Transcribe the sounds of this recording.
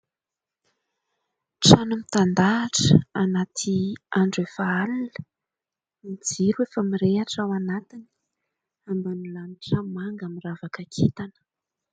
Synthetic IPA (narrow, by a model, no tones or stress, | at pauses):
ʈ͡ʂanumit̪and̪aːʈ͡ʂəanat̪ʰiaɳɖ͡ʐefaalulə̥ | mid͡ziɾuefəmiɾeaʈ͡ʂawanat̪ini̥ | ambanulaniʈ͡ʂamaŋɡamiravakakʰit̪anə̥